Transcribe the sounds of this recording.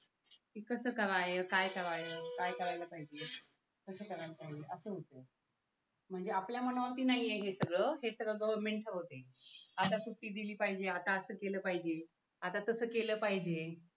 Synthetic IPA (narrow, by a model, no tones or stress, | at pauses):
ikəsəːkəɾajekajkəɾaɦekajkəɾajləːpaɦid͡ʑe | kəsəːkəɾaɾpaɦid͡ʑeʔəsəːɦot̪əː | m̤əɳd͡zeapljamənʋat̪iːnaɦijeɦesəɡɭəːɦesəɡɭəɡəʋəɾmeɳʈəɦot̪eat̪asuʈːiːd̪iliːpaɦid͡ʑeat̪aəsəːkeləːpaɦid͡ʑe | at̪at̪əsəːkeləːpaɦid͡ʑe